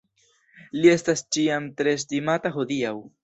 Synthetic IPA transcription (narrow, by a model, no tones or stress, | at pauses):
lie̞stast͡ʃiamtɾe̞s̬timataɦo̞diaw